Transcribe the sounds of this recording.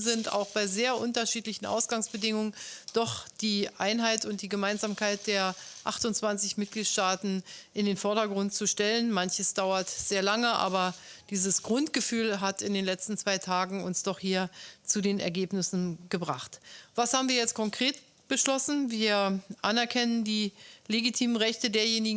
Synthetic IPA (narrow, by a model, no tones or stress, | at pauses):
zɪnta̰ʊxb̥aɪzeːɐʔʊntɐʃiːtlɪçn̩ʔa̰ʊsɡ̥aŋsb̥ədɪŋʊŋənd̥ɔχd̥iːʔaɪnɦaɪtʊnt̚d̥iːɡəmaɪnzaːmkʰaɪt̚d̥eːɐʔaχtʊnt͡sv̥ant͡sɪçmɪt̚ɡ̥liːtʃtaːtn̩ʔɪndeːnfɔɐɾɐɡʁʊntt͡suʃtɛlənmançəsd̥aʊɐtz̥eːɐlaŋəʔa̰ːbɐd̥iːzəsɡ̥ʁʊntɡ̥əfyːlɦatɪndeːnlɛt͡stn̩t͡sv̥aɪtʰaːɡŋ̩ʊnsd̥ɔχhiːɐt͡sudeːnɛ̰ɐɡeːpnɪsn̩ɡəbʁaχtv̥ashaːbm̩viːɐjɛt͡st̚kʰɔŋkʁ̥eːt | b̥əʃlɔsn̩viːɐʔanɛɐkʰɛnəndiːleɡitʰiːmənʁɛçtədeːɐjeːnɪɡ